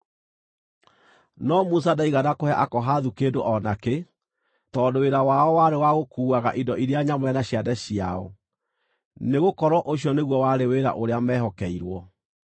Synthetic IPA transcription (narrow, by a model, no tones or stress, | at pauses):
nɔmus̬adaiɣadakohɛʔakɔɦaðukeːdoʔɔnake | tɔːdoweɾawaɔwaɾewaɣokuːaɣaʔindɔʔiɾeaɲamwɛnaɕiadɛɕiaɔ | neɣokɔɾwɔʔoɕjɔneɣwɔwaɾeweɾa̰ʔoɾeamɛɦɔkɛiɾwɔ